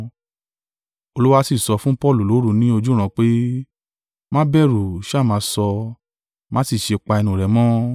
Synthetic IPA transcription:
o˧lu˦wa˧si˦˨sɔ˧fũ˦pɔ˦˨lu˨lo˨˦ɾu˧nĩ˦o˧d͡ʒu˦ɾ̃ã˧k͡pe˦ | mã˦bɛ˦˨ɾu˨ʃmã˨˧˦sɔ˧ | mã˦si˦˨ʃe˧k͡pa˧ɛ˧nũ˨ɾɛ˨mɔ̃˦

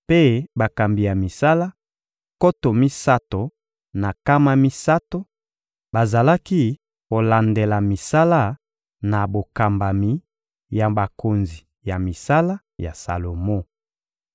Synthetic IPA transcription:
pe˦ba˨ka˨mbi˨ja˨mi˨sa˦la˦ | ko˦to˨mi˦sa˦to˨ | na˨ka˦ma˦mi˦sa˦to˦ | ba˨za˨la˦ki˦ | ko˨la˨nde˨la˨mi˨sa˦la˦ | na˨bo˨ka˨mba˨mi˨˦ | ja˨ba˨ko˨nzi˨ | ja˨mi˨sa˦la˦ | ja˨sa̰˨lo˨mo˦˨

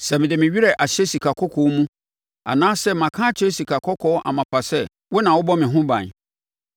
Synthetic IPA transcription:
sɛ˨mɪ̃˨dɪ˨mɪ̃˨ɥi˦ɾɛ˨ʔa˨ɕɛ˦si˨kʰa˨kʰɔ˦kʰɔ˨˦mũ˦ | a̰˨nãː˦sɛ˦mã˨kʰãː˦t͡ɕʰɛ˦si˨kʰa˨kʰɔ˦kʰɔ˦ʔa̰˨mã˨pʰa˨sɛ˦ | wʊ˦nã˨wʊ˦bɔ˦mɪ̃˨ɦʊ̃˦bã̰˨n˨

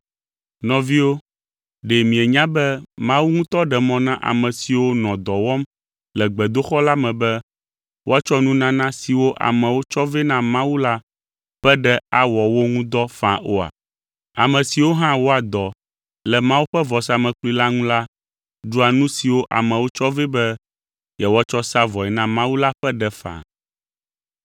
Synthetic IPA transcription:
nɔ̃˨vi˦wo˦ | ɖe˨mĩ˨ɛ˨ɲã˦bɛ˦mã˦wu˦ŋũ˦t̪ɔ˦ɖɛ˨mɔ̃˦nã˦ʔa̰˨mɛ̃˨si˨wo˦nɔ̃˨d̪ɔ˨wɔ˦m | lɛ˨ɡ͡bɛ˨d̪o˦xɔ˦la˦mɛ̃˨bɛ˦ | wo˦a˨t͡ʃɔ˦nũ˦nã˦nã˦si˨wo˦ʔa̰˨mɛ̃˨wo˦t͡ʃɔ˦ve˦nã˦mã˦wu˦la˦ | ɸɛ˦ɖɛ˦a˦wɔ˨wo˦ŋũ˦d̪ɔ˦fã˨ʔo˦a̰˨ | a˨mɛ̃˨si˨wo˦ɦã˦wo˦a˨d̪ɔ˨ | lɛ˨mã˦wu˦ɸɛ˦vɔ˨sa˦mɛ̃˨k͡plu˦i˦la˦ŋũ˦la˦ | ɖu˦a˨nũ˦si˨wo˦ʔa̰˨mɛ̃˨wo˦t͡ʃɔ˦ve˦bɛ˦ | jɛ˨wt͡ʃɔ˦sa˦vɔ˨ɛ˨nã˦mã˦wu˦la˦ɸɛ˦ɖɛ˨fã̰˨

